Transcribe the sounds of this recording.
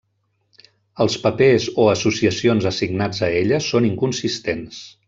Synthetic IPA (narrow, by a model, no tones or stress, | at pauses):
əlˠspəpezoəsusiəsionzəsiɡnad͡zəeʎəsoniŋkunsist̪ens